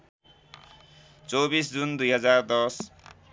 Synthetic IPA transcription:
t͡sobisd͡zund̪ujɦʌd͡zard̪ʌs

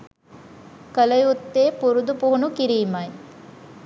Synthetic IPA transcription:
kɐlɐjut̪ːeːpuɾud̪upuɦunukiɾiːmɐj

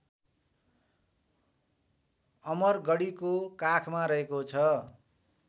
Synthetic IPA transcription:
ʌmʌrɡʌɽikokakʰmaɾʌɦekot͡sʰʌ

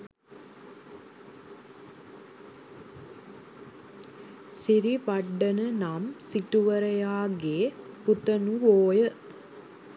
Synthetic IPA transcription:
siɾiʋɐɖːɐnənamsiʈuʋɐɾɐjaːɡeːput̪ɐnuʋoːjə

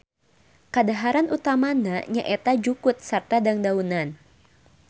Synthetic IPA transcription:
kadaɦaɾanʔut̪amanaɲaʔɛt̪ad͡ʒukʊt̪̚sart̪adaŋdaunan

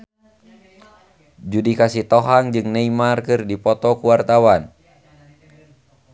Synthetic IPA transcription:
d͡ʒudikasiht̪ɔɦaŋd͡ʒɨŋnɛimarkɨrdipɔt̪ɔkuwart̪awan

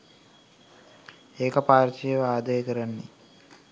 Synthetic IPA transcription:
eːkɐpaːɾt͡ʃijeʋaːd̪ajəkəɾanːi

